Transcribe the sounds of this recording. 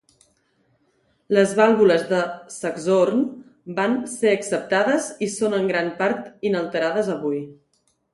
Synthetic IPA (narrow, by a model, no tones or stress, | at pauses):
ləzβalˠβuləzðəsəɡzorn | banseəksəp̚t̪aðəzisonəŋɡɾampaɾt̪inəlˠt̪əɾaðəzəβuj